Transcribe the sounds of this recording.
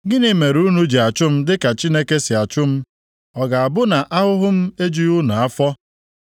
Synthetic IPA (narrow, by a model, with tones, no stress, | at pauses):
ɡɪ˦nɪ˨me˨ɾu˦nu˦d͡ʒe˨a˨t͡ʃʊ˦m̩˦dɪ˦ka˨t͡ʃi˦ne˦ke˦sɪ˨a˨t͡ʃʊ˦m̩˦ | ɔ˨ɡa˨a˨bʊ˦na˨ʔa˦ɦʊ˦ɦʊ˦m̩˦e˦d͡ʒu˦u˦nu˨a˦fɔ˦